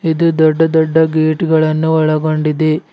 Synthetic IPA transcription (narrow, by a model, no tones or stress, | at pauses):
id̪ud̪ɔɖːɐd̪ɔɖːɐɡeːʈiɡɐɭɐnːuɔɭɐɡoɳɖid̪e